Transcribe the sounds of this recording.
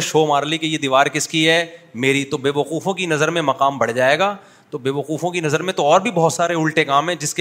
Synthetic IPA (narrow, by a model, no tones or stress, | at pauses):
ʃoːmaːɾlikejed̪iːʋaːɾkɪskiɦɛːmeːɾit̪obeːʋɐquːfõkinɐzəɾmẽmɐqaːmbɐɽd͡ʒaːeːɡaː | t̪obeːʋɐquːfõkinɐzəɾmẽt̪oɔːɾbʱibɔɦːt̪saːɾeʊlʈekaːmɦɛ̃ːd͡ʒɪsk